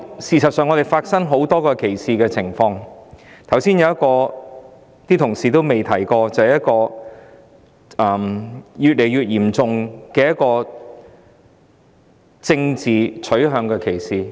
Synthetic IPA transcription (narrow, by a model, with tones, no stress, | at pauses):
siː˨˩sɐ˨t̚sœː˨ŋɔ˨˧ɾe˨˩jfaː˧t̚sɐ˥ŋɦo˨˥wt̪ɔː˥kɔː˧kʰe˨˩jsiː˨kɛː˧t͡sʰɪ˨˩ŋfɔː˧ŋt̪ʰɐ˨˩wsiː˥njɐ˨˧wjɐ˥t̚kɔː˧ | t̪iː˥t̪ʰʊ˨˩ŋsiː˨t̪o˥wme˨jt̪ʰɐ˨˩jkɔː˧t͡sɐ˨whɐ˨jɐ˥t̚kɔː˧ | ɐː˨˩mjyː˨t̚le˨˩jɥyː˨t̚jiː˨˩mt͡sʊ˨ŋkɛː˧jɐ˥t̚kɔː˧ | t͡sɪ˧ŋt͡siː˨t͡ʃʰɵ˨˥ɥɦœː˨˧˥ŋkɛː˧kʰe˨˩jsiː˨˩